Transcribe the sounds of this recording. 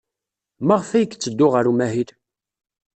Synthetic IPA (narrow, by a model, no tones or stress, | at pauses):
məʁfæjəkːt͡sːəd̪ːʊʁəɾumæhiɾ